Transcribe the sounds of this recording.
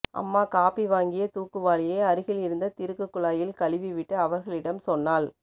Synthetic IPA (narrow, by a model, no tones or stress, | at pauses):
ʔɐ̰mːaːkaːpiʋaːŋɡɪjɐt̪uːkːɯʋaːɭɪjeːɐɾɯɣɪlɪɾɯnd̪ɐt̪ɪɾɯkːɯkːɯɭaːjɪlkɐɭɪʋiʋɪʈːɐɐʋɐɾɣɐɭɪɽɐmsɔnːaːl